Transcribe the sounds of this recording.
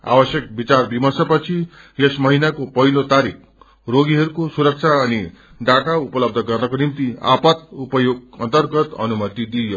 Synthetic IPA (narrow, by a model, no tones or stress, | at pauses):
a̰wʌsjek̚bit͡sarbimʌsʌpʌt͡sʰi | esmʌɦinakopʌɦilot̪aɾik̚ʰ | ɾoɡiɦʌɾukosuɾʌk̚t͡ʃʰaʌni | ɖaʈaupʌlʌb̚d̪ʱʌɡʌrnʌkonimt̪ia̰pʌt̪̚upʌjoɡʌ̰nt̪ʌɾɡʌt̪ʌ̰numʌt̪id̪ijo